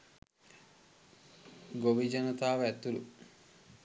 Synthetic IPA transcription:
ɡoʋid͡ʒɐnɐt̪aːʋɛt̪ːulu

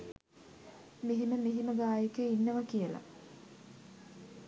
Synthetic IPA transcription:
meɦiməmeɦiməɡaːjekəinːəʋəkijəla̰

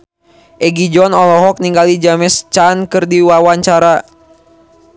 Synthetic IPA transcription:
ʔɛɡid͡ʒɔnɔlɔɦɔk̚niŋɡalid͡ʒamɛst͡ʃankɨrdiwawaɲt͡ʃaɾa

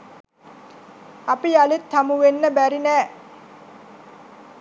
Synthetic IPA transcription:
apialet̪ʰːamuʋenːəbæɾinæː

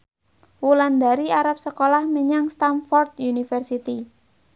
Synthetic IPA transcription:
wuland̪a̤ɾiaɾap̚səkolahməɲaŋst̪anfɔrt̪junifərsit̪i

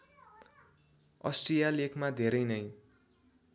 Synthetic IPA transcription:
ʌsʈrijalekʰmad̪ʱeɾʌjnʌj

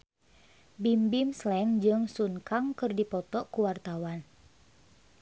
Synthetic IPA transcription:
bimbimslɛŋd͡ʒɨŋsuŋkaŋkɨrdipɔt̪ɔkuwart̪awan

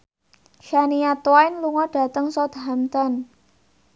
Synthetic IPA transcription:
ʃanijat̪wajnluŋɔɖ̥a̤t̪əŋsɔt̪ɦamt̪ɔn

